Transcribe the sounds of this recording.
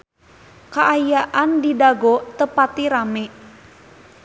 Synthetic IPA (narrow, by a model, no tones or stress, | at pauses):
kaʔajaʔandidaɡɔt̪əpat̪iɾamɛ